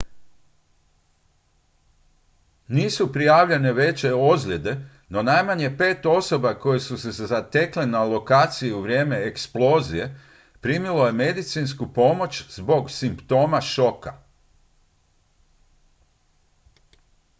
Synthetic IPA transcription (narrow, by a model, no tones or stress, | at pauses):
niːsupɾijaːʋʎe̞ne̞ʋe̞t͡ɕe̞ozʎʲe̞d̪e̞ | no̞najmaɲe̞pe̞ːt̪o̞so̞bako̞je̞susezezat̪eklenalo̞kaːt̪sijiuʋɾʲje̞ːme̞ːksplo̞ːzije̞ | pɾiːmilo̞je̞me̞d̪it̪siːnskupo̞mo̞t͡ʃzbo̞ɡsimpt̪o̞ːmaʃo̞ka̰